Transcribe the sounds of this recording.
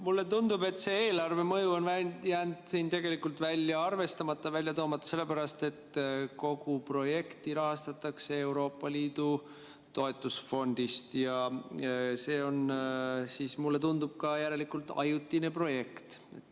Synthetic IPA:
mulːe̞t̪und̪ube̞t̪ːˑse̞eːlɑrve̞mɤjuo̞nvæjæːnd̪̥siːnt̪e̞ɡ̥e̞likːult̪vælʲjɑɑrve̞st̪ɑmɑt̪ːɑvælʲjɑt̪o̞ːmɑt̪ːˑɑ̥se̞lːe̞pæɾɑst̪e̞t̪ko̞ɡ̥upro̞je̞kt̪iɾɑɦɑst̪ɑt̪ːˑɑkse̞e̞wɾo̞ːpːˑɑliːd̪̥u | t̪o̞e̞t̪ːˑusfo̞nd̪̥ist̪jɑ | se̞ːo̞nsiːsmulːe̞t̪und̪̥ub̥̚kɑjæɾe̞likult̪ɑ̰jut̪ːˑine̞pro̞je̞kt̪ett̪ː

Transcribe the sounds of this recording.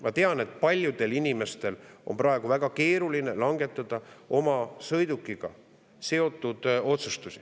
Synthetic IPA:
mɑt̪e̞ɑne̞t̪ːˑpɑlʲjud̪̥e̞linʲime̞st̪e̞lo̞mprɑeɡ̥uvæɡ̥ɑke̞ːɾuline̞lɑŋɡe̞t̪ːˑɑd̪̥ɑʔo̞mɑsɤjd̪̥ukːˑiɡ̥ɑ̰ | se̞o̞t̪ˑːud̪̥o̞t̪sust̪usi̥

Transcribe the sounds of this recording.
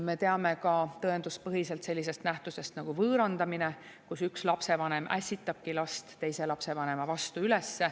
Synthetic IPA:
me̞t̪e̞ɑme̞kɑt̪ɤend̪us̚pɤɦise̞lt̪se̞lʲːis̬e̞st̪næht̪use̞st̪nɑɡ̥uvɤːɾɑnd̪ɑmine | kusykslɑpse̞vɑne̞mʔæ̰sʲit̪ːˑɑb̥̚kilɑst̪ːe̞jse̞lɑpse̞vɑne̞mɑvɑst̪uylesːe̞

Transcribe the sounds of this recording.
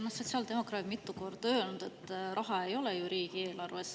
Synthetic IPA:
noso̞t̪ʲsɑːld̪̥e̞mo̞krɑːt̪mit̪ːˑuko̞rd̪̥ø̞ːlnud̪̥e̞t̪ːˑrɑɦɑe̞jo̞lɛjuɾiːɡ̥ie̞ːlɑrves

